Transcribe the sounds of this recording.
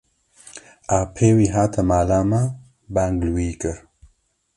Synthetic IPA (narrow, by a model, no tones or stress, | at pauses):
aːpʰeːwiːɦaːt̪ʰɐmaːlaːma | baŋɡlwiːkɨɾ